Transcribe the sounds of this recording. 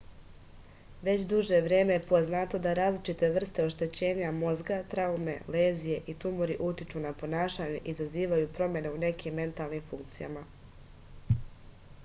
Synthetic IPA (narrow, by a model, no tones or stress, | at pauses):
ʋe̞t͡ɕd̪uʒe̞ʋɾe̞ːmejepo̞znat̪o̞d̪aɾaːzlˠit͡ʃit̪e̞ʋr̩st̪e̞o̞ʃt̪e̞t͡ɕe̞ːɲamo̞zɡat̪ɾaume̞le̞ːzije̞ʔit̪umoɾiʔut̪it͡ʃunapo̞naːʃaɲe̞ʔizaziːʋajupɾo̞mje̞neune̞kimːe̞nt̪alˠnimfuŋk̚t̪sija̰ma